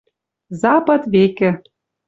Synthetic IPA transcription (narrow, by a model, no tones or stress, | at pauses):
zɑpɤ̆t̪βekɘ̆